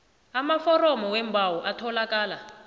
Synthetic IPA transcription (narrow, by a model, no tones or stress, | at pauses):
amafɔrɔmɔwɛmbʱawɔʔatʰɔlakaːla